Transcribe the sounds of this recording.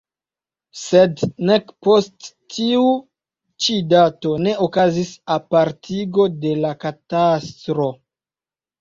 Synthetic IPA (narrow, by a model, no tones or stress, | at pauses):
se̞dne̞kpo̞stː | iu | t͡ʃidato̞ne̞okazisapaɾtʰiɡo̞de̞lakatastɾo̞